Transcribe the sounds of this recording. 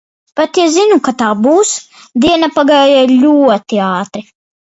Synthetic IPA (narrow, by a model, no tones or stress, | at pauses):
pat̪jazinukat̪aːbuːs | d̪iɛnapaɡaːjalʲuɔt̪iaːt̪ɾi